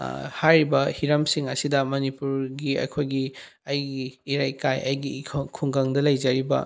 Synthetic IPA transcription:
hajɾibɐhiɾɐmsiŋɐsidɐmɐnipuɾɡiɐ̰kʰojɡi | ɐjɡiːɾajkajɐjɡikʰuŋɡɐŋdɐlɐjzɐɾibɐ̰

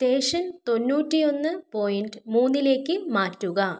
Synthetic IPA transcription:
t̪e̞ːʂɐnt̪o̞nːuːtːijo̞nːɨpo̞ːjinɖɨmuːnːile̞ːkːɨmaːtːuɣɐ

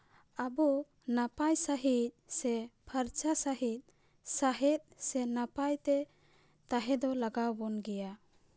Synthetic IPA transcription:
abɔ | napajsaɦit̪̚sɛpʰəɾt͡ʃasaɦit̪̚ | saɦɛt̪̚ˀsɛnapajt̪ɛ | t̪aɦɛd̪ɔlaɡawbɔnɡɛja

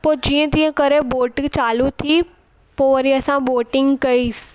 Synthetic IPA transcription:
poːd͡ʒiə̃t̪ĩə̃kəɾeboːʈt͡ʃaːlũt̪ʰi | poːɾiəsãboːʈɪ̃ŋɡkɐis

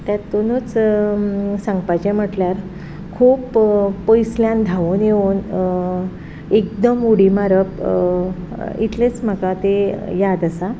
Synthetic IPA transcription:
t̪jat̪onot͡s | sãŋɡpat͡ɕem̤əʈljaɾ | kʰuːpːojsljãnd̪ʱaʋunjeun | ek̚d̪əmuɽimaɾəp | ḭt̪let͡sm̤akat̪ejad̪əsa

